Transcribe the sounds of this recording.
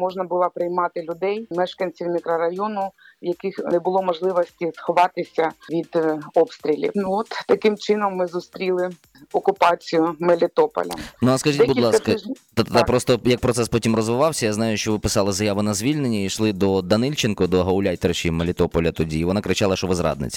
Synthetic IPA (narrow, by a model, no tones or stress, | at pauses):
mɔʒnɐbʊlˠɑpɾɪjmɑt̪ɪlʲʊd̪ɛjmɛʃkɐnʲt͡sʲiwmʲɪkɾɐɾɐjɔnʊ | wjɐkɪxnɛbʊlˠɔmɔʒlˠɪʋɔsʲtʲisxɔʋɑt̪ɪsʲɐʋʲid̪ɔpst̪ɾʲilʲḭnuɔt̪ːɐkɪmt͡ʃɪnɔmːɪzʊst̪ɾʲilˠɪ | ɔkʊpɑt͡sʲijʊmelʲɪt̪ɔpɔ̰lʲɐ̰nuaskɐʒitʲbʊdlˠɑkkɐt̪ɐt̪pɾɔst̪ɔjɐk̚pɾɔt̪sɛspɔtʲimrɔzʋɪʋɑwsʲɐjaznɑjʊʃt͡ʃɔʋɪpɪ̥sɑlˠɪzɐjaʋʊnɐzʲʋʲilʲnenʲːɐiʃlˠɪd̪ɔd̪ɐnɪlʲt͡ʃɪnkɔd̪ɔɦɐwlʲajt̪eɾt͡ʃimelʲɪt̪ɔpɔlʲɐt̪ɔdʲiːʋɔnɑkɾɪt͡ʃɑlˠɐʃɔʋɪzɾɑ̰d̪nɪ̰t͡sʲ